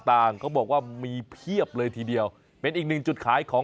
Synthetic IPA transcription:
t̪aː˧˩ŋkʰɔː˥˩bɔː˨˩k̚waː˥˩miː˧pʰi˥˩əp̚lɤː˧jt̪ʰiː˧di˧əw | pe˧nʔiː˨˩k̚nɯ˨˩ŋt͡ɕu˨˩t̪̚kʰaː˩˦jkʰɔː˩˦

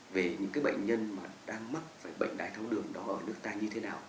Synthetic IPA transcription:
ve˨˩ɲɨ̰˧˥ŋkaː˨˦jɓə̰˧˨jŋ̟ɲə˧nmaː˨˩ɗaː˧ŋma˦˥t̚faː˧˩jɓə̰˧˨jŋ̟ɗaː˨˩jt̪ʰa˧wɗɨ˨˩əŋɗɔ˨˦ʔəː˧˩nɨ˦˥ək̚t̪aː˧ɲɨ˧t̪ʰe˨˦naː˨˩w

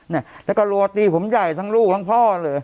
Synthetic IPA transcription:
na˧˩lɛ˦˥˩kɔ˥˩lu˧t̪iː˧pʰo˩˦mja˨˩jt̪ʰa˦˥ŋluː˥˩k̚la˦˥ŋpʰɔː˥˩lɤː˧j

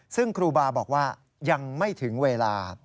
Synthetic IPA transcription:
sɯ˥˩ŋkʰɾuː˧baː˧bɔː˨˩k̚waː˥˩ | ja˧ŋma˥˩jt̪ʰɯ˩˦ŋweː˧laː˧

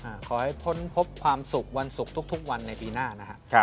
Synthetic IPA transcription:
ʔaː˧˩kʰɔː˩˦ha˥˩jpʰo˦˥npʰo˦˥p̚kʰwaː˧msu˨˩k̚wa˧nsu˨˩k̚t̪ʰu˦˥k̚t̪ʰu˦˥k̚wa˧nːa˧jpiː˧naː˥˩na˦˥kʰa˦kʰa˦˧

